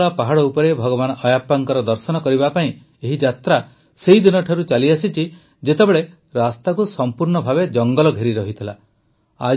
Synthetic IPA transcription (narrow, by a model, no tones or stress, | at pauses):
ɭapaɦaɽɔupɔɾebʱɔɡɔβanɔɔjapːaŋkɔɾɔd̪ɔɾsɔnɔkɔɾibapaĩ | eɦid͡ʒat̪ɾa | seɦid̪inɔʈʰaɾut͡ʃaliasit͡ʃʰi | d͡ʒet̪ebeɭe | ɾast̪akusɔmpuɾɳɔbʱabed͡ʒɔŋɡɔlɔɡʱeɾiɾɔɦit̪ʰila̰ | a̰